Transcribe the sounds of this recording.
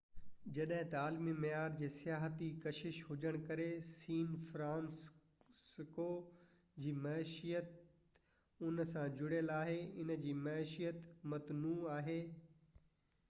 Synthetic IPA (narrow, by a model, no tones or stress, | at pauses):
d͡ʑɐɗɦɪ̃t̪ɐaːlmimɐjaːɾd͡ʑeːsijaːɦət̪ikɐʃɪʃɦʊd͡ʑəɽ̃kɐɾesiːnfɾãːns | koː | d͡ʑiːmɐʃijət̪ | ʊnsãd͡ʑʊɽjəlaːɦeɪnə̆d͡ʑiːmɐɪʃijət̪mɐt̪nuːaːɦeː